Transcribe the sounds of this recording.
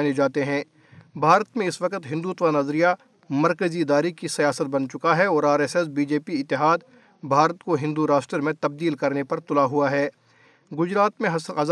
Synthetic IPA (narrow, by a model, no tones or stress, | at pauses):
ned͡ʒaːt̪eɦɛ̃ː | bʱaːɾət̪mẽɪsʋɐkət̪ɦɪ̃nd̪uːt̪ʋanɐzɾija | mɐɾkəziɪd̪aːɾikisɐjaːsət̪̚bɐnt͡ʃʊkaɦɛɔːɾaːɾeːsɛs̬biːd͡ʒeːpiɪt̪ːɪɦaːd̪ | bʱaːɾət̪koɦɪ̃nd̪uɾaːʃʈɾəɾmẽt̪ɐb̚d̪iːlkɐɾnepɐɾt̪ʊlaɦuaɦɛː | ɡʊd͡ʒɾaːt̪mẽɐ